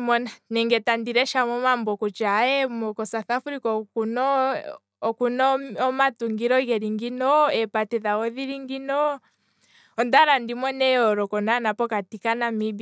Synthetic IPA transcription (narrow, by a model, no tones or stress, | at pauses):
mɔnanɛŋɡɛtandiɾɛʃamɔmambɔkɔt͡ʃaɛmɔkɔsaθafuɾikɔkunɔ | ɔkunɔɔmatuŋɡiɾɔɣɛɾiŋɡinɔɛpatɛðaɣɔðiɾiŋɡinɔ | ɔndaɾandimɔnɛɔɾɔkɔnanapɔkatikanamib